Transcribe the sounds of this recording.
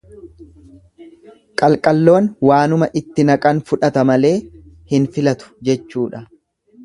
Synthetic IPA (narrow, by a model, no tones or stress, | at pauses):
kʼɐlkʼɐlːo̞ːnwaːnʊmɐʔɪt̪ːɪnɐkʼɐnfʊᶑɐt̪ɐmɐle̞ːhɪnfɪlɐt̪ʊ̥d͡ʒɛt͡ʃːuːᶑɐ